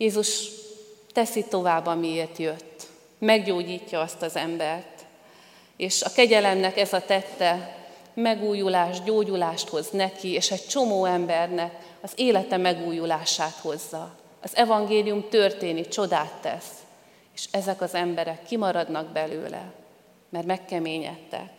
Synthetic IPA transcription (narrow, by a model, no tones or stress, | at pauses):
jeːzuʃ | t̪ɛsit̪o̞vaːbːɒmieːrt̪jøt̪ː | mɛɡɟoːɟiːcːɒɒst̪ɒzɛmbɛrt̪ | eːʃɒkɛɟɛlɛmnɛkɛzɒt̪ɛt̪ːɛ | mɛɡuːjulaːʃɟoːɟulaːʃt̪ho̞znɛkieːʃɛct͡ʃo̞moːɛmbɛrnɛk | ɒzeːlɛt̪ɛmɛɡuːjulaːʃaːt̪ho̞zːɒ | ɒzɛvɒŋɡeːlijumt̪ø̞rt̪eːnit͡ʃo̞d̪aːt̪ːɛ̰s | eːʃɛzɛkɒzɛmbɛɾɛkːimɒɾɒd̪nɒɡ̚bɛlø̰ːlɛ̰ | mɛrmɛkːɛmeːɲɛ̰t̪ːɛ̰k